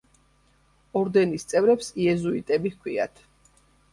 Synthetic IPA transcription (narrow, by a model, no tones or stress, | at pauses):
ɔɾd̪ɛnist̪sʼɛvɾɛpsiɛzuit̪ʼɛbikʰwia̰t̪ʰ